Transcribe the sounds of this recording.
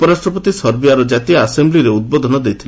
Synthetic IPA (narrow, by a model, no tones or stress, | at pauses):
upɔɾasʈɾɔpɔt̪isɔɾbiaɾɔd͡ʒat̪iaasembliɾeud̪̚bod̪ʱɔnɔd̪ejt̪ʰile